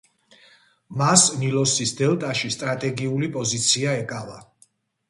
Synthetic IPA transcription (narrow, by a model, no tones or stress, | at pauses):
masnilɔsisd̪ɛlˠt̪ʼaʃist̪ʼɾat̪ʼɛɡiulipʼɔzit̪sʰiaɛkʼava